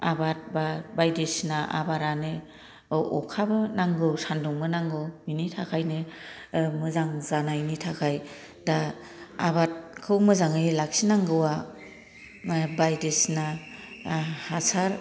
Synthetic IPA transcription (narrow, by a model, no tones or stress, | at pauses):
abat̚babajdesnaʔa̰baɾanɯ | ɔkʰabɯnaŋɡɯwsandɔŋmɯnaŋɡɯwminitʰakʰajnɯ | mɯzaŋzanajnitʰakʰaj | da | aβat̚kʰɯwmɯzaŋɯjlak̚sinaŋɡɯwa | bajdesna | hasaɾ